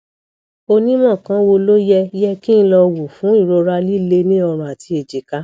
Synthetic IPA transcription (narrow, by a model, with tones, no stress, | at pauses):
o˧nĩ˦mɔ̃˦˨kã˦wo˧lo˦jɛ˧˦jɛ˧ki˦ñ̩˦lɔ˧wo˨fũ˨˦i˦˨ɾo˧ɾa˧li˦le˧˦nĩ˦ɔ˧ɾ̃ũ˧˨a˨tʰi˧˦e˨d͡ʒi˨ka˨˦